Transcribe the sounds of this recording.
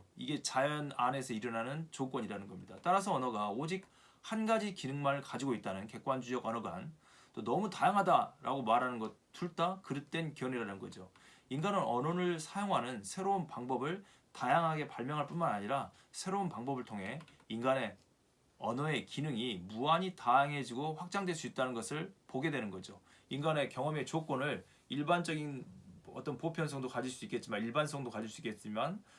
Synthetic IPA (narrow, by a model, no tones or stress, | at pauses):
iɡe̞t͡ɕajʌnane̞sʰʌiɾʌnanɯnt͡ɕok͈wʌɲiɾanɯnɡʌmɲida̰t͈aɾas̬ʰʌːnʌɡaod͡ʑik̚ | hanɡad͡ʑikinɯŋmaɾɯɭkad͡ʑiɡoit͈̚anɯnke̞k͈wand͡ʑujʌɡʌnʌɡan | t͈onʌmutajaŋɦadaɾa̰ɡomaɾɦanɯnɡʌt̚t͈uɭt͈akɯɾɯt̚t͈we̞nkjʌniɾanɯnɡʌd͡ʑo | inɡanɯnʌnʌnɯɭsʰajoŋɦanɯnsʰe̞ɾounpaŋbʌbɯɭ | tajaŋɦaɡe̞paɭmjʌŋɦaɭp͈unmanaɲiɾa | sʰe̞ɾounpaŋbʌbɯɭtʰoŋɦe̞inɡane̞ | ʌnoe̞kinɯŋimuaɲitajaŋɦe̞d͡ʑiɡoɸwak̚t͡ɕ͈aŋdwes͈uit̚t͈anɯnɡʌsʰɯɭpoɡe̞dwe̞nɯnɡʌd͡ʑo | inɡane̞kjʌŋʌme̞t͡ɕok͈onɯɭ | iɭband͡ʑʌɡinʌt͈ʌnpopʰjʌnsʰʌŋdokad͡ʑiɭs͈uik͈e̞t̚t͡ɕ͈imaniɭbansʰʌŋdokad͡ʑiɭs͈uik͈et̚s͈imjan